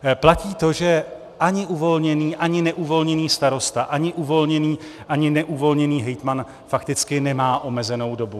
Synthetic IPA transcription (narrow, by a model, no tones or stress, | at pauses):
placiːt̪o̞ʒɛ | ʔaɲɪʔuvo̞lɲɛniːʔaɲɪnɛʔuvo̞lɲɛniːst̪aɾo̞st̪aʔaɲɪʔuvo̞lɲɛniː | ʔaɲɪnɛʔuvo̞lɲɛniːɦɛjt̪man | fakt̪ɪt͡skɪnɛmaːʔo̞mɛzɛno̞wdo̞bu